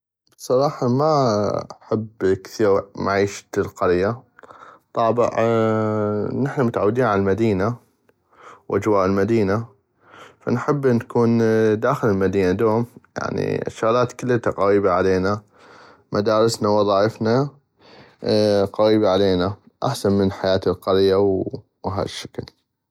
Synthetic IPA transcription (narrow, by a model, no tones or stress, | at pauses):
bsˤɑɾˤɑːħɑma̰ | ħabkθiːɾmaʕiːʃt̪lqɑɾja | t̪ˤɑːbɪ̰ʕ | nɪħnamʊt̪ʕawːd̪iːnʕanalmad̪iːna | wʔad͡ʒwaːʔɪlmad̪iːna | fa̰nħɪbːnkuːnd̪aːxɪləlmad̪iːnad̪oːmja̰ʕnḭʔʃːaɣlaːt̪kɪlːət̪aqɑwiːbaʕaleːna | mʔad̪aːɾˤɪsnawɑðˤɑːʔɪfna | qɑwiːbaʕaleːna | ʔaħsanmənħajaːt̪ɪlqɑɾjaw | wɦa̰ːðʃːḁkl